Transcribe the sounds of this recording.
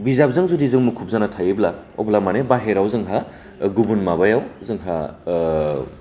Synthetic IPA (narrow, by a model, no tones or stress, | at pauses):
bizap̚zɯŋzudizɯŋmukʰup̚zanatʰajebla | o̰blamanebaɦeɾawzɯŋɦa | ɡubunmabajawzɯŋɦa